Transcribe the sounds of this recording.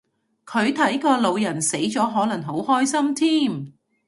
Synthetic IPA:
kʰɵ˨˧ɥt̪ʰɐ˨˥jkɔː˧lo˨˧wjɐ˨˩nse˨˥jt͡sɔː˨˥ɦɔː˨˥lɐ˨˩ŋɦo˨˥whɔː˥jsɐ˥mt̪ʰiː˥m

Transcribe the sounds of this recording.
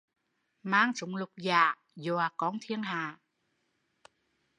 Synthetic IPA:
maː˧˩ŋsu˨˩˦ŋ͡mlu˨˩k͡p̚jaː˨˩ | jo˨˩a˨˩kɔː˨˦ŋt̪ʰi˧əŋhaː˨˩

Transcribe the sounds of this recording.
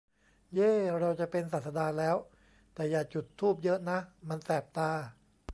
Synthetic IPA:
ʔeː˥˩ɾa˧wt͡ɕa˨˩pe˧nsa˨t̪̚sa˧daː˧lɛː˦˥w | t̪ɛː˨˩jaː˨˩t͡ɕu˨˩t̪ʰːuː˥˩p̬̚jɤ˦˥ʔna˦˥ma˧nsɛː˨˩p̚t̪aː˧

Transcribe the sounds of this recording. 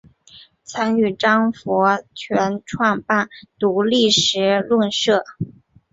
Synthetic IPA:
t͡sʰɑ˥ŋy˥˩ʈ͡ʂɑ˥ŋfɔ˧˥t͡ɕʰɥɛ˧˥nʈ͡ʂʰwɑ˥˧ŋpa˥˩nt̪u˧˥li˥˩ʂɻ̩˧˥lwə˥˧nʂɤ˥˩

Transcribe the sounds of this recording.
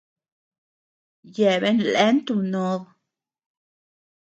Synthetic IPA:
je˨be˦nle˦nt̪u˧no˧ð

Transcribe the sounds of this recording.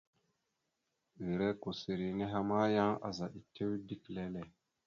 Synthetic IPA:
ɣi˨ɾe˦ko˨se˨ɾi˨ne˦ɦa˦ma˦ja˦ŋa̰˨za˨ʔi˨tʰe˦wdi˦kle˦le˨

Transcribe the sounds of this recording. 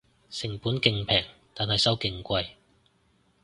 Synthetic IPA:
sɪ˨˩ŋpuː˨˥nkɪ˧ŋpʰɛː˨˩ŋt̪aː˨nɦɐ˨jsɐ˥wkɪ˨˧ŋkʷɐ˧j

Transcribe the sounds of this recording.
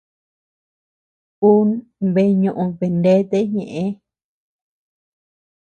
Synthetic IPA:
ku˦nβe˧ɲũ˧ʔũ˧βe˨nde˦t̪e˦ɲẽ˨ʔẽ˧˦

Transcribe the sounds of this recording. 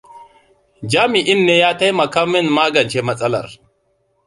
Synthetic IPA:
d͡ʒaː˦mi˨ʔɪ˦nːe˦ja˦tɐ˦jmɐ˨kɐ˦mːɪ˦nmaː˦ɡɐ˨nt͡ʃe˦mɐ˦sʼɐ˦lɐ̰˨ɾ

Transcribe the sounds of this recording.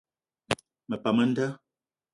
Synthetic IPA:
mə˨pa˨mə˦n̩˦də˦

